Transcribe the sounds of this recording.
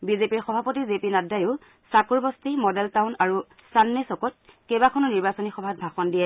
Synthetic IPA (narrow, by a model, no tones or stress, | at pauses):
bizepiɹxɔbʱapɔtizepinadajʊ | sakuɹbɔstimɔdɛltawnaɹu | stanːesɔkɔt̚ | kebakʰɔnɔniɹbasɔnixɔbʱat̚bʱaxɔndijɛ